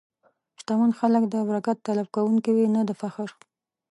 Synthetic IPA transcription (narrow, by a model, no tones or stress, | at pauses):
ʃt̪amanxaləkd̪əabɾakat̪ːalafkawuŋkiwinad̪əfaxɪɾ